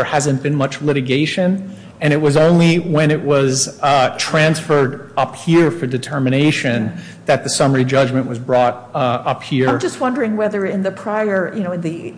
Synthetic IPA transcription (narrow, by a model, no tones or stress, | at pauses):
ə˞hæzɨ̃nb̥ɨ̃nmʌt͡ʃlɪɾɨɡeɪʃɨ̃n | ɨ̃ɾ̃ɨt̚wʌzõʊ̃nliwɨ̃ɾ̃ɪʔ̚wʌztʰɹ̥æ̃nsfə˞ɾʌphiɹfə˞dɨtʰɜ˞mɨneɪʃɨ̃n | ðɨt̪̚ðɨsʌmə˞id͡ʒʌd͡ʒmɨ̃nʔwʌzbɹɔɾ | ʌphiɹ̃d͡ʒʌst̚wʌ̃ndə˞ɪ̃ŋwɛðə˞ɪ̃nðɨpʰɹ̥aɪə˞jɨnoʊɨ̃nðɨ